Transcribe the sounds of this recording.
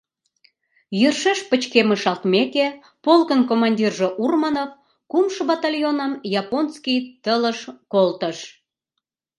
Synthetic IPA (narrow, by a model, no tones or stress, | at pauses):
jərʃeʃpət͡ɕkeməʃɑlt̪meke | polkənkomɑnʲdʲirʒoʔurmɑnov | kumʃəbɑt̪ɑlʲjonəmjɑponskijt̪ələʃkolt̪əʃ